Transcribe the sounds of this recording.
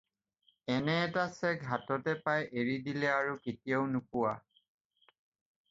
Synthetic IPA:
ɛnɛːtasɛɡʱatɔtɛpajʔeɹidilɛaɹuketijaʊnupʊwa

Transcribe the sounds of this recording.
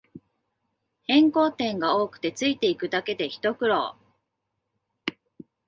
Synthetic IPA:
hẽ̞ŋko̞ːt̪ẽ̞ŋɡao̞ːkɯ̟̥t̪e̞t͡sɨit̪e̞ikɯ̟d̪ake̞d̪e̞çi̥t̪o̞kɯ̟ɾo̰ː

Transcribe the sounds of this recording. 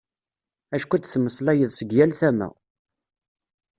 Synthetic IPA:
æʃkʷæt͡s̪ːθmːəslæjəðˤsəɡjælθæmæ̰

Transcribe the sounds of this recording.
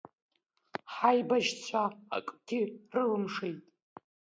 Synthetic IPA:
ħajbaʒt͡sʷʰa̰ːkʼtʰirɨlɨmʂejtʼ

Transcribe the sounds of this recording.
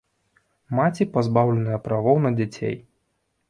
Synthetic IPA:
mat͡sʲipazbawlʲɛnɨjɐpɾavɔwnɐd͡zʲat͡sʲḛj

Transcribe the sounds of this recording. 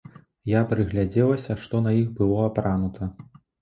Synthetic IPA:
japɾɨɣlʲad͡zʲɛlˠɐsʲɐʂt̪ɔnɐixbɨlˠɔapɾanut̪ʰɐ

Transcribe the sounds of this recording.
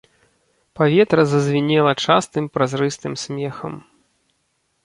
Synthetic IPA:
pavʲɛt̪ɾɐzɐzʲvʲinʲɛlˠɐt͡ʂast̪ɨmpɾazɾɨst̪ɨmsʲmʲɛxɐm

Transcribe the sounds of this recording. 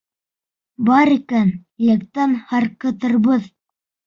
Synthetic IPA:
bɑɾikænjæk̚t̪ænhɑɾqɤ̆t̪ɤ̆ɾbɤð

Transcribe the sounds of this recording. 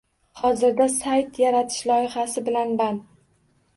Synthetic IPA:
hɒzɪɾd̪asajt̪ʰjaɾat̪ʰɪ̥ʃlɒjɪχasɪbɪlanban

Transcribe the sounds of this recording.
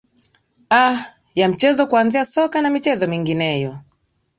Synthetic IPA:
a | jam̩t͡ʃɛzɔkuanziasɔkanamit͡ʃɛzɔmiŋɡinɛjɔ

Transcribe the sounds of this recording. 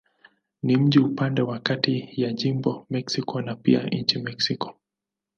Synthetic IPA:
nim̩ʄiupandɛwakatijaʄimbɔmɛksikɔnapia̰ɲ̩t͡ʃimɛksikɔ̥

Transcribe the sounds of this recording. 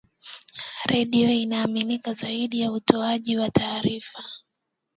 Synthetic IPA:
ɾʔɛɗiɔinaːminikazaiɗijautʰɔaʄiwatʰaːɾifa

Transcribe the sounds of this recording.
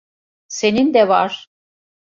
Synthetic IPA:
senind̪ɛvaɾ̥

